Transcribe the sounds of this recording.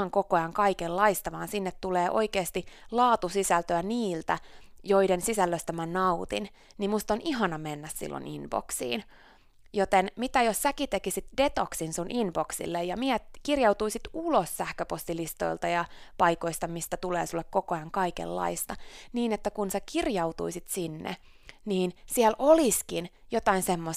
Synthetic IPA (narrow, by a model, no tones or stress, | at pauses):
ɑŋkokojɑŋkɑikelːɑist̪ɑʋɑːnsinːet̪tuleːʔo̰ikeːst̪ilɑːt̪usisælt̪øæniːlt̪æjoidensisælːøst̪æmænɑut̪ḭn | nimust̪oniɦɑnɑmenːæssḭlːo̰nḭnb̥o̰ksḭːn | jot̪enmit̪æjossækit̪ekisit̪det̪oksinsunʔinb̥oksḭlːejjɑmiet̪kirjɑut̪uisit̪ulossæhkøpost̪ilist̪o̰ilt̪ɑjɑpɑikoist̪ɑmist̪æt̪ulḛːsulːekkokojɑŋkɑikḛlːɑ̰ist̪ɑniːnet̪ːækunsækirjɑwt̪ṵisit̪sinːḛ | niːnsiælʔoliskinjot̪ɑinsemːo